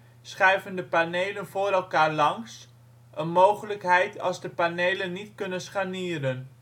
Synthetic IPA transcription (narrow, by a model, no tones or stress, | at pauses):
sχɛjvəndəpanejlənvʊːɾɛlˠkaːɹlɑŋs | ʔənmowχələkɦɛjtɑ̰lˠzdəpanejlənːitkɵnənsχaniːɾən